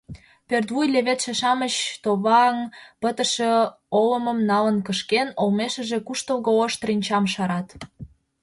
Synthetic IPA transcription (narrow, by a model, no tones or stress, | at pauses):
pert̪βujleβet̪ʃeʃɑmət͡ɕt̪oβɑŋpət̪ə̆ʃe | oləməmnɑlənkəʃkenolmeʃə̆ʒĕkuʃt̪əlɣooʃt̪rinʲt͡ɕɑmʃɑɾɑt̪